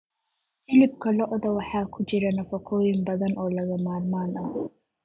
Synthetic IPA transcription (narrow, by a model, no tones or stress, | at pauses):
hɪlɪb̚kʰɐlɔʔðɐwɑħɑːkʰʊt͡ʃɪɾɐnɐfɑqʰɔːjɪmbɐðɐnʔɔːlɐɣɐmaːrmaːnʔɐh